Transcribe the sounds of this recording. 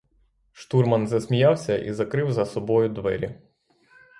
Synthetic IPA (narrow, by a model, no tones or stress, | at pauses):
ʃt̪urmɐnzɐsʲmʲijɑwsʲɐʔḭzɐkɾɪwzɐsɔbɔjʊd̪ʋɛ̰ɾʲi